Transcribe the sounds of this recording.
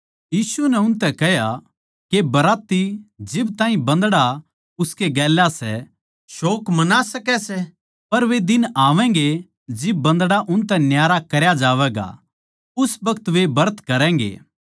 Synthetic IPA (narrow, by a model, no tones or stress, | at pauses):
jiːsunɛʊnt̪ɛkɛɦja | kebɐɾaːt̪ːid͡ʒɪbt̪ãːĩbɐ̃nd̪ɽa | ʊskeɡɛːlːasɛ | ʃoːkmɐnasɐkɛsɛ | pɐɾʋed̪ɪnaːʋɛ̃ːŋɡe | d͡ʒɪb̚ːɐ̃nd̪ɽaʔʊnt̪ɛ̃njaːɾakɐɾjad͡ʒaːʋɛːɡa̰ | ʊsbɐkət̪ʋebɐɾət̪kɐɾɛ̃ːŋɡḛː